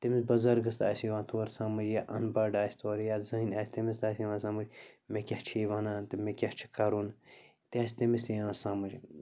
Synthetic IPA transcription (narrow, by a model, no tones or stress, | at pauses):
t̪imisbɐzɐɾɡɐst̪a̰ːsʲiʋãːnt̪ʰoːɾsaːmɐd͡ʒjaːʔɐ̰nbɐɖaːsʲt̪ʰoːɾjaːt̪zɐɦinʲaːsʲt̪emis̬t̪aːsiʋãːns̬aːmɐd͡ʒmekʲɐht͡ʃʰiːʋɐnãːnt̪imekʲɐht͡ʃʰi̥kɐɾuːn | t̪ʲaːsʲt̪imist̪ijãːsaːmɐd͡ʒ